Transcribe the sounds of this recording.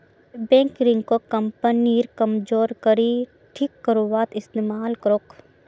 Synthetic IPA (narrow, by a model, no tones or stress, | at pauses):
bẽːŋkɾɪ̃ŋɡkokɐmpəniɾkɐmd͡ʒoːɾkəɾi | ʈʰikːəɾuʋaːt̪ɪst̪eːmaːlkɐɾok